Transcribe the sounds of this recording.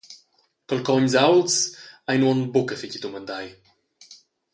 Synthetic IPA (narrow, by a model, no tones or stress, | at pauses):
kəlkɔɲʲzawlt̪sajnuɔnbukəficʲit̪umənd̪aj